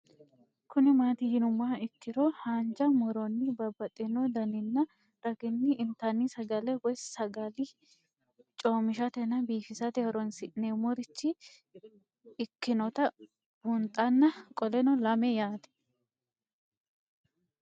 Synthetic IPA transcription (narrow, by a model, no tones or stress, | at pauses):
kʊnɪmaːt̪ɪhɪnʊmːaːɪkːɪɾɔhaːnd͡ʒɐmɔɾɔnːɪbɐbːɐt̪ʼːɪnɔd̪ɐnɪnːɐ | ɾɐɡɪnːɪʔːnt̪ɐnːisɐɡɐlɛwɔjssɐɡɐlɪ | t͡ʃʼoːmɪʃɐt̪ɛnɐbiːfɪsɐt̪ɛhɔɾɔnsɪʔnemɔɾɪt͡ʃːɪ | ɪkːɪnɔt̪ɐ | bʊnt̪ʼɐnːɐkʼɔlɛnɔlɐmɛjaːt̪ɛ̥